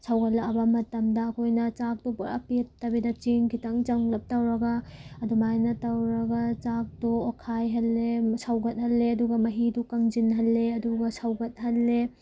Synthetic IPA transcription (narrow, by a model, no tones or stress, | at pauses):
sawɡɐtlɐɐbamɐtɐmdɐɐkʰojnɐt͡ʃak̚tupuɾa̰pitːɐbidɐt͡ʃiŋkitɐŋt͡ʃɐŋlɐp̚tɐwɾɐɡaɐdumajnɐtɐwɾɐɡɐt͡ʃak̚duɔkʰajɦɐlːesawɡɐt̚hɐlːeɐduɡɐmɐɦidukɐŋd͡ʒinɦɐlːeɐduɡɐsawɡɐt̚ɦɐlːe